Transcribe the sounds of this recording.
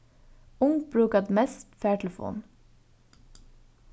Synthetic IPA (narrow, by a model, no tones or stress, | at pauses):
ʊŋbɹʉːkəd̪mɛst̪fæːʈʰɛl̩fṵːn